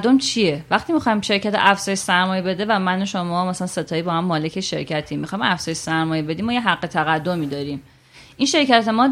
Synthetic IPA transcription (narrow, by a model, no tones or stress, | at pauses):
d̪omt͡ʃʰievæχt̪iːmixɒjmʃe̞ɾcʰæt̪ʰḛʔæfzɒːjeʃsæɾmɒːjebe̞d̪evæmænoʃomɒːmæsælænse̞t̪ʰɒːjiːbɒːhæmːɒːlecʰeʃḛɾcʰæt̪ʰiːmixɒːjmæfz̥ɒːjeʃsæɾmɒːjebe̞d̪iːmɒːjeɦæɣːe̞t̪ʰæɣæd̪ːomiːd̪ɒːɾiːm | ʔinʃe̞ɾcæt̪ʰe̞mɒː